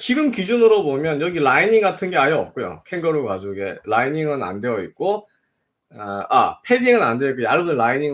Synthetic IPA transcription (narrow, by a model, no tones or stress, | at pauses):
t͡ɕiɡɯmkid͡ʑunɯɾobomjʌnjʌɡiɭainiŋɡatʰɯnɡe̞ajʌʌp̚k͈ojo̰pʰe̞ŋɡʌɾokad͡ʑoɡḛlainiŋɯna̰nde̞ʌit̚k͈o | a̰pʰe̞diŋɯnandeitk͈ojaɭbuɯɭainiŋ